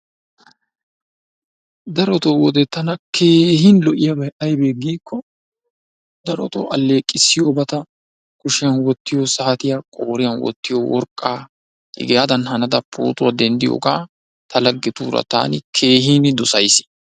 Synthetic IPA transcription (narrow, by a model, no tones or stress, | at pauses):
d̪ɐɾɔt̪owɔd̪ɛt̪ːɐnɐkʰe̞ːhinlɔʔɪjɐbɐjʔɐjbeːɡiːkːɔ | d̪ɐɾɔt̪o̰ʔɐlːe̞ːkʼːɪsːɪjoːbɐt̪ɐ | kʊʃɪjɐnwɔt̪ːɪjosɐhɐt̪ɪjakʼo̞ːɾɪjɐnwɔ̰t̪ːɪjo̰wɔ̰ɾkʼːaː | ɪ̰ɡɛjad̪ɐnhɐnɐd̪ɐpʰːo̰ːt̪ʊwad̪ɛnd̪ɪjo̰ːkaː | t̪ʰɐlɐɡːɪt̪uːɾɐ̰t̪a̰ːnɪkʰeːɦiːnɪd̪ɔsɐjsɪ̥